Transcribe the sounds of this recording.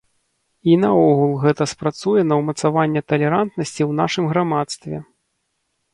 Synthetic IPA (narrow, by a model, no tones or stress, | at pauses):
inɐɔɣulˠɣɛt̪ɐspɾat̪sujɛnɐwmɐt̪savanʲːɛt̪ɐlʲɛɾant̪nɐsʲt͡sʲiwnaʂɨmɣɾamat̪st̪vʲɛ̰